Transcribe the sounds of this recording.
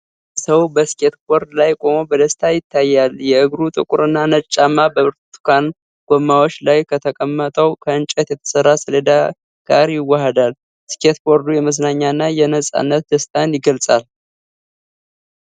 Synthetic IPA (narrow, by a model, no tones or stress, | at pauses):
səwbəske̞t̪boɾd̪lajkʼo̞mobəd̪əst̪ʰajɪt̪ʰːajːaljɛʔɨɡɾut̪ʼɨ̰kʼuɾɨnːanət͡ʃʼːamːabəɨɾt̪ʰu̥kʰan | ɡ̥omːawot͡ʃːlajkʰət̪ʰəkʼəmːət̪ʼəwkʰəɨnt͡ʃʼɛt̪jɛt̪ʰə̥sərːasɨled̪a | ɡ̥a̰ɾjɪwːahəd̪al | ske̞t̪boɾd̪ujɛməsnaɲːaɨnːajɛnəsʼa̰nːət̪̚d̪əst̪ʰʼanjɪɡəlsʼal